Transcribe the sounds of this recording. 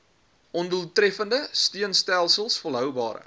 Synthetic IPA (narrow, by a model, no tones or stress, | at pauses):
ʔɔnduəlˠtrɛfəndəstiənstælˠsəlˠsfɔlˠɦœwbɑːɾə̰